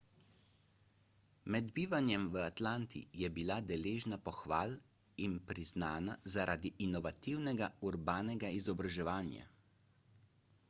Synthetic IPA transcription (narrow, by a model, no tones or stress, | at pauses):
mɛd̪biːʋanjɛmʋəat̪laːnt̪ʰḭjɛbilad̪ɛleːʒnapɔxʋa̰ːl | inpɾiznaːnazaɾʔa̰ːd̪iʔinɔʋat̪iwnɛɡauɾbaːnɛɡaizɔbɾaʒɛʋaːnja̰